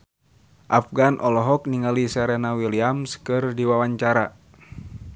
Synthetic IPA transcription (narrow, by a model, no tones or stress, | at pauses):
ʔafɡanʔɔlɔɦɔk̚niŋalisɛɾɛnawiliamskɨrdiwawaɲt͡ʃaɾa